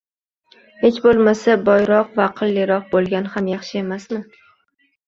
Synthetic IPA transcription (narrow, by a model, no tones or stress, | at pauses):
he̞t͡ʃbolˠmasabɒjɾɒqvaqʰɨlːɪɾɒq̚bolˠɡʲanhamjɑχʃɪe̞masmɪ